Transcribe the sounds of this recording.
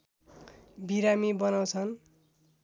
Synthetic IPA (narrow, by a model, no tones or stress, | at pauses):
biɾamibʌnaw̃t͡sʰʌn